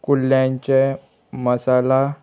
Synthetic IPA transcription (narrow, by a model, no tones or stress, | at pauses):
kulːjãɲt͡ɕe | məsala